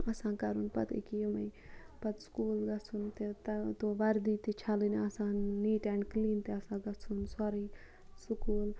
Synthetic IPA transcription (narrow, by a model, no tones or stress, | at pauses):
ɐsãːkɐɾunpɐt̪ḛkijomɐjpɐt̪skuːlɡɐt͡sʰunt̪et̪ɐt̪oʋɐɾd̪it̪it͡ʃʰaːliniɐsãːnːiːʈɛ̃ɳɖkliːnt̪eɐsãːɡɐt͡sʰunsɔɾi | sukuːl